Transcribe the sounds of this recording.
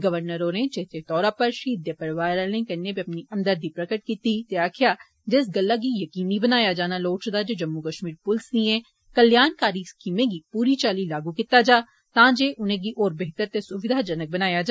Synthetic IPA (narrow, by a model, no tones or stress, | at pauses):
ɡəʋəɾnəɾoːɾẽd͡ʒeɦt̪ʰet̪ɔːɾaːpəɾʃiːd̪jəpəɾʋaːɾlẽːkɐnːepiɐpniɐmd̪əɾd̪ipɾəkəʈ̚kiːt̪it̪eaːkʰɪjaː | d͡ʒɪsɡəlːaːɡijəkiːnibənaːjaːd͡ʒaːnaːloːʈt͡ʃd̪aːd͡ʒeːd͡ʒəmːukəʃmiːɾpʊlsniɛ̃ | kəljaːnkaːɾiskiːmẽːɡipuːɾit͡ʃaːlilaːɡukit̪aːd͡ʒaː | t̪ãːd͡ʒeːʔʊnẽːɡiʔoːɾbeɦt̪əɾt̪esʊʋɪd̪ʱaːd͡ʒənək̚bənaːjad͡ʒaː